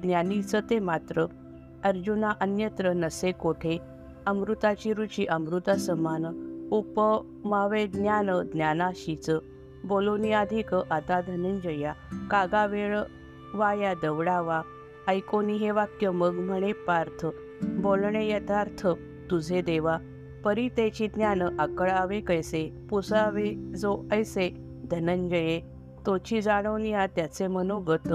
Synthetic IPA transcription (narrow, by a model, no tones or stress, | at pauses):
d̪nʲjanit͡sət̪emat̪ɾə | əɾd͡ʑunaʔənjət̪ɾənəsekoʈʰe | əmɾut̪at͡ɕiɾut͡ɕiʔəmɾut̪asəmanupə | maʋed̪njanəd̪njanaɕit͡sə | boloniad̪ʱikəʔət̪ad̪ʱənənd͡ʑəjakaɡaʋeɭ | ʋajad̪əʋɽaʋa | əjkoniɦeʋakjəməɡm̤əɽ̃epaɾt̪ʰə | bolɳejət̪ʰaɾt̪ʰə | t̪ud͡zʱed̪eʋa | pəɾit̪et͡ɕid̪njanəʔəkəɭaʋekəjsepusaʋed͡zoəjse | d̪ʱənəɲd͡ʑəje | t̪ot͡ɕid͡zaɽ̃əwnijat̪jat͡semənoɡət̪ə